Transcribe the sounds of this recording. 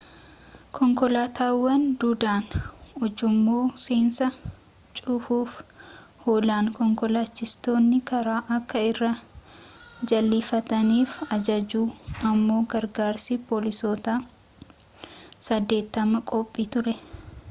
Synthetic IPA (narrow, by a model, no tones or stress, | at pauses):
kʰɔŋkɔlaːt̪ʰaːwːɐnd̪uːd̪aːnʊd͡ʒʊmːuːsiːnsɐ | t͡ʃʼʊfuːf | hoːlaːnkɔŋkɔlaːt͡ʃːɪst̪o̞ːnːɪkɐɾaːʔɐkːɐɪrːɐ | d͡ʒɐlːɪfɐt̪ɐniːfɐd͡ʒɐd͡ʒuːɐmːo̞ːɡɐɾɡaːɾsipoːlɪsoːt̪aː | sɐd̪ːe̞ːt̪ːɐmɐkʼɔpʼːiːt̪ʊɾɛ